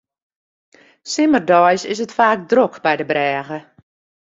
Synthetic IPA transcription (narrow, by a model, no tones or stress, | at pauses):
sɪmərdɔjsɪsətfaːk̚drokbɛjdəbrɛːɣə